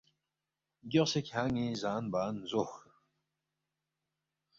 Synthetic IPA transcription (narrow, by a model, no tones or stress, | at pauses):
ɡʲiʁsekʲʰaːŋizaːnbaːnzox